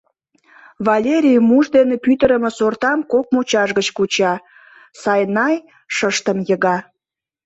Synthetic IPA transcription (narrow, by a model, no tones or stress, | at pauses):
vɑlʲeɾʲijmuʒd̪enepyt̪əɾəməsort̪ɑmkok̚mut͡ɕɑʒɣət͡ɕkut͡ɕɑ | sɑjnɑj | ʃəʃt̪əmjəɣɑ